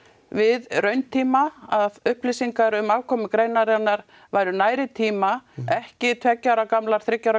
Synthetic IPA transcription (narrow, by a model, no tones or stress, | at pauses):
vɪðrœɥnt̪ʰiːmaaðʏhplisiŋkaɾʏmaːvkʰɔmʏkɾejnaɾanːaɾ | vaːjɾʏnaːjɾɪt̪ʰiːmaɛhcɪt̪ʰvɛcːaɾakamlaɾ̥θɾɪcːaɾ